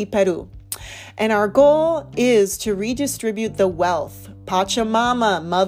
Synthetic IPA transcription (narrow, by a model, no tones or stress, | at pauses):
ipɛɾu | ʔɨ̃ñaʊə˞ɡoʊlˠɪz̥tʰɨɹidɨstɹ̥ɪbjʉt̪̚ðəwɛlˠθpʰɑt͡ʃəmɑməmʌð